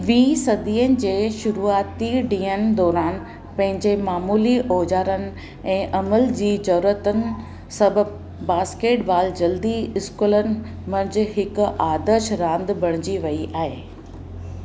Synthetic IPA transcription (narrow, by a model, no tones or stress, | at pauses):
ʋĩːsɐd̪iːənɪ̆d͡ʑeːʃʊɾuːaːt̪iɖĩːənɪ̆d̪ɔːɾaːn | pɐ̃ɦɪ̃ɲd͡ʑemaːmuːliʔoːd͡ʑaːɾənɪ̆ | ɛ̃ːʔɐməld͡ʑiːd͡ʑɐɾuɾət̪ənɪ̆ | sɐbʱəb | baːskeːʈʋaːld͡ʑɐld̪iɪskulənɪ̆ | mɐ̃nd͡ʑ̆ɦɪkʊʔaːd̪əɾʃɾãːnd̪bʱɐɽ̃ɪd͡ʑiʋɐiʔaːɦeː